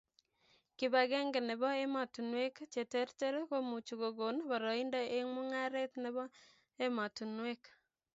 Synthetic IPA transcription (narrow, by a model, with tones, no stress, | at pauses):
kɪ˨ba˨ɡe˦ŋɡe˨nɪ˨bɔ˦e˦ma˨tu˨nwe˦kt͡ʃe˨te˦ɾte˦ɾe˦ko˦mu˨t͡ʃu˨ɡo˨ɡo˨nba˨ɾɔ˨i˦ndɔ˦ʔe˦ŋmu˦ŋa˦ɾe˦t̪nɪ˨βɔ˦ | e˦ma˨tu˨nwe˦k